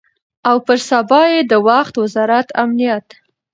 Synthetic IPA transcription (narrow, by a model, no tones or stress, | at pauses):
awpəɾsabɑjed̪əwaxt̪wɪzɑɾat̪a̰mnijat̪